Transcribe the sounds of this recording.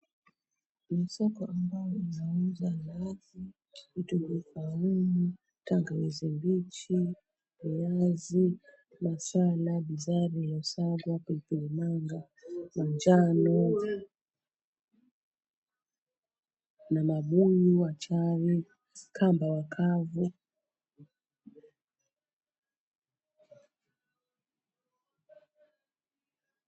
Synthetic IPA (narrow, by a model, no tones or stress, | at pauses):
nisɔkɔʔambajɔinauzalazi | ituɡifaumu | taŋɡawɛzimbit͡ʃi | wuazi | masalaɓizaɾijɔsaɡwapilpilimaŋɡa | mand͡ʒanɔ | namaɓuɲiwat͡ʃaɾi | kʰambawakʰavu